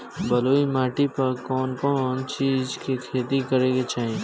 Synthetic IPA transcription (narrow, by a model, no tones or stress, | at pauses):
bɐloːimaːʈipɐɾkɔːnkɔnt͡ʃiːzkikʰeːt̪ikɐɾeːɡet͡ʃaːɦieː